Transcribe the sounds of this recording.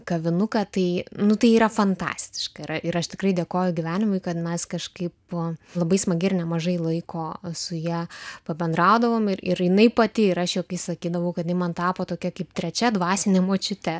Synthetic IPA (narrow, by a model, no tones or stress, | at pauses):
kɐʋʲɪnʊkɐt̪ɐɪnʊt̪ɐɪiːɾɐfɐnt̪ɑ̰ːsʲt̪ʲɪ̥ʃkɐɪɾɐɪɾɐʃt̪ʲɪkɾɐɪd̪ʲeːkoːjʊɡʲiʋʲæːnʲɪmʊɪkɐt̪mʲɛskɐʃkɐɪplˠɐbɐɪsmɐɡʲɪrnʲɛmɐʒɐɪlˠɐɪkʰoːsʊjiɛpɐbʲɛnd̪ɾɑʊd̪ɐʋoːmɪɾɪɾjɪnɐɪpɐt̪ʲɪɪɾɐʃjoːkɐɪsɐkʲiːd̪ɐʋɐʊkɐt̪nʲɛɪmɐnt̪ɑːpoːt̪oːkʲɛkɐɪpt̪ʲɾʲɛt͡ʃʲɛd̪ʋɑːsʲɪnʲeːmoːt͡ʃʲʊt̪ʲɛ